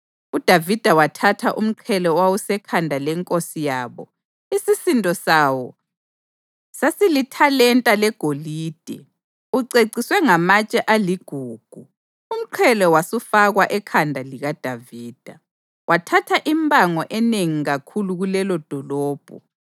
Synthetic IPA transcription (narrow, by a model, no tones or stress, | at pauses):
ud̥ʱavid̥ʱawatʰatʰaʔum̩ǃʰɛlɔwawusɛkʰandʱalɛŋkʼosijaːβɔ | isisintʼɔsawɔ | sasilitʰalɛntʼalɛɡ̥ʱoliːd̥ʱɛ̰ | uǀeǀiswɛŋamat͡ʃʼɛʔaliɡ̥ʱuːɡ̥ʱu | um̩ǃʰɛlɔwasufaɣwaʔɛkʰandʱaliɣad̥ʱaviːd̥ʱa | wʔatʰatʰaʔimbʱʼaŋɔʔɛneŋiɣakʰuluɣulɛlɔd̥ʱɔlɔːb̥ʱɔ̰